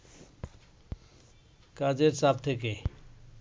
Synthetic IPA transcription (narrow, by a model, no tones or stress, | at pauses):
kad͡ʒeɾsaːb̚t̪ʰeke